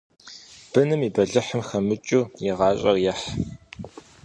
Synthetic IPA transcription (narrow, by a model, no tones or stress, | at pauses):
b̥ɨnɨmiːbɐɮɨħəmxɐmɨt͡ʃʼuːjɪʁɑːɕʼɐrjɐħ